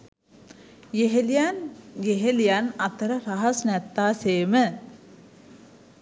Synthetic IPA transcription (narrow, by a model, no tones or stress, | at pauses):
jeɦelijanjeɦelijanat̪əɾəɾaɦɐsnɛt̪ːaːseːmə